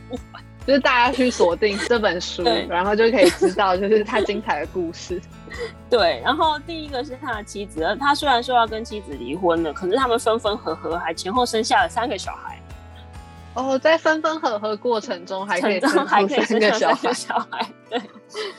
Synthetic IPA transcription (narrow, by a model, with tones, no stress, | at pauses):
t͡ɕjo˥˧ʊʂ̩˥˧t̪a˥˩t͡ɕja˥t͡ɕʰy˥˩swɔ˨˩t̪i˥˩ŋʈ͡ʂɤ˥˩pə˨˩nʂu˦we˥ɪɻa˧˥nxo˥˧ʊt͡ɕjo˥˩ʊkʰə˧˥i˨˩ʈ͡ʂ̩˥t̪ɑ˥˧ʊt͡ɕjo˥˧ʊʂʂɻ̩˥t̪ʰa˦˥t͡ɕi˥ŋt͡sʰa˨˩ɪd̪ə˩ku˥˧ʂɻ̩˥˨ | t̪we˥˩ɪɻa˧˥nxo˥˩ʊt̪i˥˩i˦˥ɡə˨ʂɻ̩˥˩t̪ʰa˥ə˨t͡ɕʰi˧˥d͡zɹ̩˨˩ə˧˩t̪ʰa˥swe˥a˧˦nʂ̬jɑ˥˩ʊkə˥nt͡ɕʰi˧˥d͡zɹ̩˨˩li˧˥xwə˦nd̪ə˨kʰə˨˩nʂɻ̩˥˩t̪ʰa˥mə˨˩nfə˥nfə˥nxɤ˧˥xɤ˧˥xa˧˥ɪt͡ɕʰjɛ˧˥nxo˥˩ʊʂə˥ŋɕja˥˩lə˩sa˥nɡə˨ɕjɑ̰˨˩ʊxa̰˧˥ɪ | ɔ˥˩t͡sa˥˩ɪfə˥nfə˥nxɤ˧˥xɤ˧˥kwɔ˥˩ʈ͡ʂʰə˧˥ŋʈ͡ʂʊ˥ŋxa˧˥ɪkʰi˨˥xa˧˥ɪ˧ə˥a˥n˧˥ɡə˨˧˥ɕjɑ˨a˩ʊ˥ɡa˧ə˧˦˩ɕjɑ˨˩ʊxa˧˥ɪt̪we˥˩ɪ